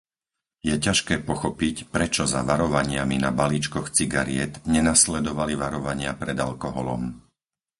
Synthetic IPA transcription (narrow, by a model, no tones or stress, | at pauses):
jɛcaʃkɛːpɔxɔpicpɾɛt͡ʃɔza̰ʋaɾɔʋaɲɪaminabaliːt͡ʃkɔxt͡siɡaɾɪɛt̪ɲɛnaslɛd̪ɔʋaliʋaɾɔʋaɲɪapɾɛd̪alkɔɦɔlɔ̰m